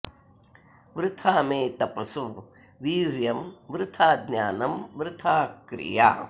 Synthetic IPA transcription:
ʋɾɪt̪ʰaːmeːt̪ɐpɐsu | ʋiːɾjɐmʋɾɪt̪ʰaːd̪njaːnɐmʋɾɪt̪ʰaːkɾɪ̰ja̰ː

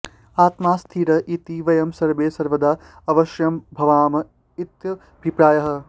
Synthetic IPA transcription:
aːt̪maːst̪ʰiːɾɐʔit̪iʋɐjɐmsɐɾʋeːsɐɾʋɐd̪aː | ɐʋɐʃjɐmbʱɐʋaːmɐ | it̪jɐɐbʱipɾaːjɐɦɐ̆

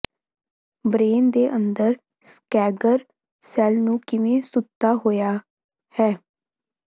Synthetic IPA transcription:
bɾeːnd̪eːʔənd̪əɾ | skɛːɡəɾ | sɛːlnũːkɪʋẽːsʊt̪ːaːɦoːjaː | hɛː

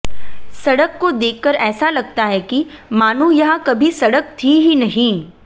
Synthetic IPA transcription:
sɐɽəkːod̪eːkːəɾɛːsalɐɡ̚t̪aɦɛkimaːnũjɐɦãkɐbʱisɐɽək̚t̪ʰiɦinɐɦĩː

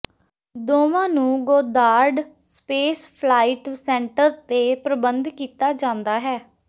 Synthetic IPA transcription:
d̪oːʋãːnũːɡoːd̪aːɾɖ | speːspʰlaːiʈsɛ̃ːɳʈəɾt̪eːpɾəbənd̪kiːt̪aːd͡ʒãːnd̪aːɦɛː

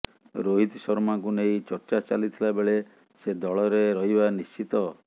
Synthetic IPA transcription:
ɾoɦit̪sɔɾmaŋkunej̃t͡ʃɔɾt͡ʃat͡ʃalit̪ʰilabeɭe | sed̪ɔɭɔɾeɾɔɦibanist͡ʃit̪ɔ

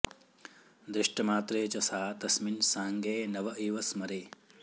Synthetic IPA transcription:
d̪ɾiʂʈɐmaːt̪ɾeːt͡ʃɐsaːt̪ɐsminsaːŋɡeːnɐʋɐʔiːʋɐsmɐɾeː

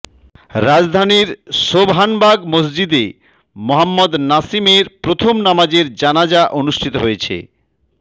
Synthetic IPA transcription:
ɾad͡ʑd̪ʱaniɾʃobɦanbaɡmos̬d͡ʑid̪e | moɦamːod̪nasimeɾpɾot̪ʰomnamad͡ʑeɾd͡ʑanad͡ʑaʔonuʃʈʰit̪oɦojet͡ɕʰḛ

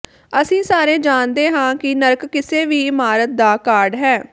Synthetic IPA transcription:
əsĩːsaːɾẽːd͡ʒaːnd̪eːɦãːkɪnəɾkːɪseːʋiːɪmaːɾət̪̚d̪aːkaːɾɖɦɛː

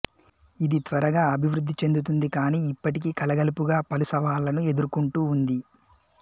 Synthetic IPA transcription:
id̪it̪ʋɐɾɐɡaːɐbʱiʋɾud̪ʱːit͡ʃe̞nd̪ut̪̬und̪ikaːniːipːɐʈikiːkɐlɐɡɐlipuɡaːpɐlusɐʋaːlɐnue̞d̪uɾkuɳʈuːund̪i

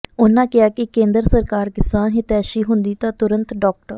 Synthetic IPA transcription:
ʊnːãːkɪjaːkɪkẽːnd̪əɾsəɾkaːɾkɪsaːnɦɪt̪ɛːʃiːɦʊnd̪iːt̪ãːt̪ʊɾə̃nt̪ɖɔːk̚ʈəɾ

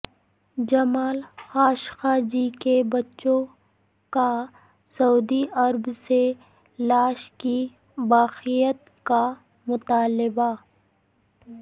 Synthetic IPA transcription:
d͡ʒɐmaːlxaːʃxaːd͡ʒikebɐtːʃõ | ka | sɐuːd̪iɐɾbse | laːʃki | baːxijət̪ | ka | mʊt̪aːlɪba

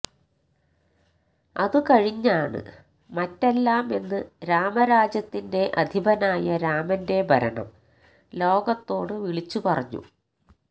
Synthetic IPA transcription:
ɐðɨkɐɻiɲːaːɳɨ̰ | mɐtːelːaːme̞nːɨɾaːmɐɾaːd͡ʑjɐt̪ːinde̞ʔɐd̪ʱibɐnaːjɐɾaːmɐnde̞bʱɐɾɐɳɐ̰m | lo̞ːɡɐt̪ːo̞ːɽɨʋiɭit͡ɕːupɐrɐɲːṵ

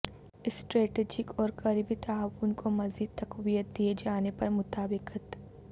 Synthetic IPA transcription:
ɪsʈɾeːʈeːd͡ʒɪkɔːɾkɐɾibit̪aaːwʊnkʰomɐziːd̪̚t̪ɐqwijət̪̚d̪ied͡ʒaːnepɐɾmʊt̪aːbɪqət̪

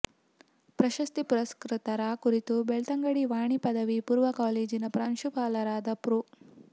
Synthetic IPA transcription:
pɾɐʃɐst̪ipuɾɐskɾɪt̪ɐɾaːkuɾit̪ubeɭt̪ɐŋɡɐɽiʋaːɳipɐd̪ɐʋipuːɾʋɐkaːleːd͡ʒinɐpɾaːnʃupaːlɐɾaːd̪ɐpɾu

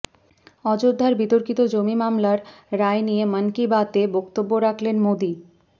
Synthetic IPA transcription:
ɔd͡ʑod̪ʱːaɾbit̪oɾkit̪od͡ʑomimamlaɾːaenijemənkibat̪ebɔkt̪obːoɾakʰlenmod̪i

